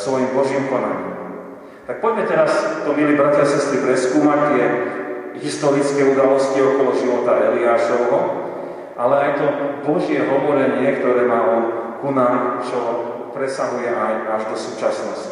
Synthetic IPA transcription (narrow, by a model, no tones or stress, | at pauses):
sʋɔjimbɔʒiːmkɔnaɲḭːmm | t̪ak̚pɔɟmɛt̪ɛɾast̪ɔmilibɾat̪asɛst̪ɾipɾɛskuːmact̪ɪɛ | ɦist̪ɔɾit͡skɛːud̪alɔsciɔkɔlɔʒiʋɔt̪aɛliaːʃɔʊɦɔ | ʔalɛajt̪ɔbɔʒɪɛɦɔʋɔɾɛɲɪɛkt̪ɔɾɛːmaːlɔkunaːt͡ʃɔɦɔ | pɾɛsaɦujɛʔajaʒd̪ɔsuːt͡ʃasnɔsci